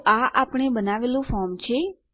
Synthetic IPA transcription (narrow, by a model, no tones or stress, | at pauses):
ʔaʔapɳ̃ebənaʋelũfɔɾmt͡ʃʰe